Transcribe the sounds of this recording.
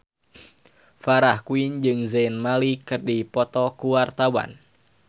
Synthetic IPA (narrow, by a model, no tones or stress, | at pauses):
faɾahkuind͡ʒɨŋzenmalikɨrdipɔt̪ɔkuwart̪awa̰n